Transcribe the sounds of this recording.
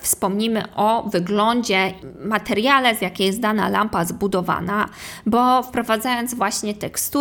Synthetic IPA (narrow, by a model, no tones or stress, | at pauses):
fspɔmɲimɘ̰ʔɔvɘɡlɔɲd͡ʑɛmat̪ɛɾʲjalɛzʲjakʲejɛsd̪ana̰lampazbud̪ɔva̰nabɔfpɾɔvad̪zajɔnd̪zvwaɕɲɛt̪ɛkst̪u